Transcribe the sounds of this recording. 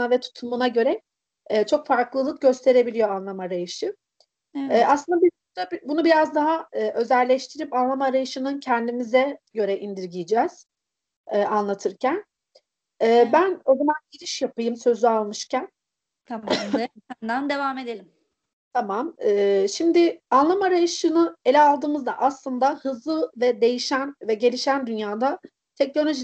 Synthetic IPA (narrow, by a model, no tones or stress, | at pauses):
avɛt̪ʰu̥t̪ʰumunaɟø̞ɾɛː | t͡ʃʰo̞kfaɾklˠɯlˠɯk̚ɟø̞st̪ʰe̞ɾe̞bilʲijo̞anlˠamaɾajɯʃɯ | ɛːaslˠɯnd̪abibut̪abbunubiɾazd̪aɦaɯːʔø̞zælʲɛʃt̪ʰiɾipanlˠamaɾajɯʃɯnɯncʰɛnd̪imizɛɟø̞ɾɛʔind̪iɾɟijid͡ʒɛz̥ | ɛːʔanlˠat̪ʰɯɾcʰæn | ɛːbæno̞d̪umanɟiɾiʃjapɯjɯmsø̞zyalˠmɯʃcʰæn | d̪and̪evamed̪elʲim | t̪ʰamamɛːʃimd̪ɪanlˠamaɾajɯʃɯnɯe̞lʲɛalˠd̪ɯːmɯzd̪aʔaslˠɯnd̪ahɯzlˠɯvɛd̪e̞jiʃænvɛɟe̞lʲiʃænd̪ynjaːd̪a | t̪ʰɛc̚no̞lʲo̞ʒi